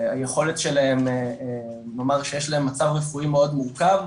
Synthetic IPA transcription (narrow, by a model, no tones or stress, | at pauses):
aje̞χo̞letʃe̞lae̞mː | omaʁʃejeʃlae̞mːat͡savʁefuime̞o̞d̪muʁkav